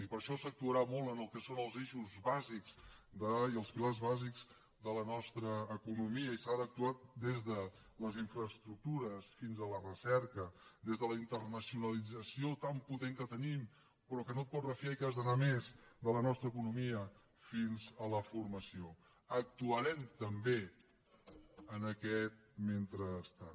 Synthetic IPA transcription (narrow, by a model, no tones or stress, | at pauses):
ipəɾʃɔsək̚t̪uəɾamolˠtənəlˠkəsonəlˠzeʃuzβazikz̥d̪əiəlˠspilarzβazikz̥ | d̪ələnɔst̪ɾəːkunumiəisad̪ək̚t̪uat̪̚d̪ezðə | ləziɱfɾəst̪ɾuk̚t̪uɾəsfinzələrəsɛɾkəd̪ezðələint̪ərnəsiunəlid͡zəsiot̪amput̪eŋkət̪ənim | pɾɔkənot̪̚pɔt̪rəfiaikazðənamezd̪ələnɔst̪ɾək̬unumiə | finzələfurməsio | ək̚t̪uəɾɛmt̪əmbe | ənəkɛt̪̚ment̪ɾəst̪a